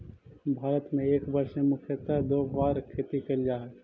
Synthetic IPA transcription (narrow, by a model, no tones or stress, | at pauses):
bʱaːɾət̪mẽeːkbɐɾʃẽmʊkʰjət̪ad̪oːbaːɾkʰeːt̪ikɐld͡ʒaːɦɛt̪